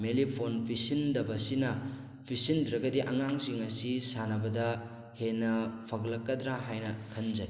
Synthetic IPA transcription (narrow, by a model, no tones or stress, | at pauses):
melipʰonpʰisindɐbɐsinɐ | pʰisindɾɐɡɐdiʔɐŋaŋsiŋɐsisanɐbɐdɐ | henːɐpʰɐɡlɐkːɐdɾaɦajnɐkʰɐnd͡ʒɐj